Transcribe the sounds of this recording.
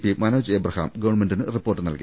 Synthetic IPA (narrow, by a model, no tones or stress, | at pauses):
pːimɐnoːd͡ʑebrɐha̰ːmɡɐʋɐrɳmendinɨripːoːʈːɨnɐ̰lkḭ